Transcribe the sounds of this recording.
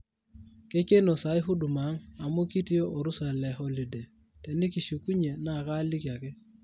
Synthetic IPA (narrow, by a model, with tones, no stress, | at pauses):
ke˦ke˦no˨sa˨˦ɪ˦ɦu˦du˨ma˨˦ŋa˨mu˦ki˦ti˦o˦ʔo˨ɾu˦sa˨lɛ˨ɦɔ˦li˨de˨ | tɛ˨nɪ˦ki˨ʃu˨ku˦ɲe˨na˨ka˦li˦kja˨kɪ˦